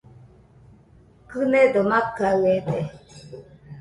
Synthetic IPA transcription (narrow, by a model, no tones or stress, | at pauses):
kɨned̪omakːaɯet̪e